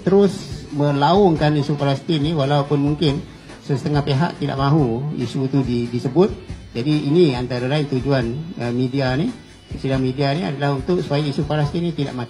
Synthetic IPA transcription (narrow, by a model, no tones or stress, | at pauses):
t̪əɾʊsmə̃laɔŋkanisupaɾast̪iniwalawpʊnmuŋkɪn | səsət̪əŋahpeɦa̰ʔt̪ida̰ʔmãɦuḭsut̪udidisəbʊt̪̚d͡ʒadiːniant̪aɾalaɪnt̪ud͡ʒuanəmidiani | əsidaŋmidiania̰dalahunt̪ʊʔsə̥pajaisupaɾast̪inĩt̪ida̰ʔmak̪